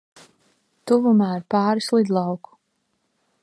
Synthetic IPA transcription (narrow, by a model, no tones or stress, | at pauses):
t̪uvumaːiɾpaːɾislˠid̪lˠɑwku̥